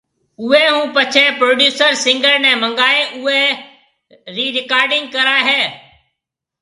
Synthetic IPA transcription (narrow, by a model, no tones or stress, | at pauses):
ʊɦeːɦũːpət͡ʃʰɛːpɾoːɖjuːsəɾsɪ̃ŋɡəɾnɛ̃ːmə̃ŋɡaːeːʔʊeː | ɾiːɾɪkaːɾɖɪ̃ŋɡ̚kəɾaːɦeː